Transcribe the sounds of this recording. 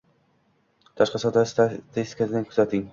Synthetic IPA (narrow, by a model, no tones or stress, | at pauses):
t̪ʰaʃqɑsɒt̪st̪ʰɪst̪ɪ̥kʰasɪd̪ankʰʊzat̪ʰɪŋ